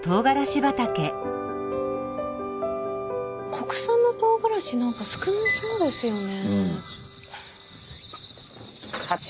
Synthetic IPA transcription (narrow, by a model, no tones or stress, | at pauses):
t̪o̞ːɡaɾaɕibat̪ake̞ | kʰokɯ̟̥sãnːot̪o̞ːɡaɾaɕinãŋkasɨ̥kɯ̟nisoːd̪e̞sɨjo̞ne̞ | ha